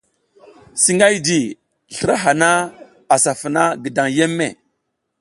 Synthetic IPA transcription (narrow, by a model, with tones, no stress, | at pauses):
si˦ŋa˦jdi˨ | ɬə˨ɾa˦ɦa˨na˦ | a˨sa˨fə˨na˦ɡə˨da˨ŋje˦mːḛ˨